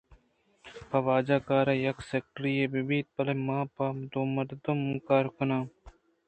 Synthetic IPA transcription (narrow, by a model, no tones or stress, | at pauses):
pɐʋaːd͡ʒaːkaːɾaːjɐkseːk̚ʈɾijeːbibiːt̪̚pɐlemãːpad̪oːmɐɾd̪omukaːɾkʊnaːm